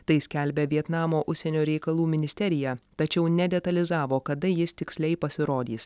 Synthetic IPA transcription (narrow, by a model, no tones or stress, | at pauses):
t̪ɐɪsʲkʲɛlʲbʲɛʋʲiɛt̪nɑːmoːʔʊʃʲsʲɛnʲoːɾʲɛɪkɐlˠuːmʲɪnʲɪsʲt̪ʲɛɾʲɪjɛt̪ɐt͡ʃʲɛʊnʲɛd̪ʲɛt̪ɐlʲɪzɑːʋoːkɐd̪ɐjɪst̪ʲɪksʲlʲɛɪpɐsʲɪɾoːd̪ʲiːs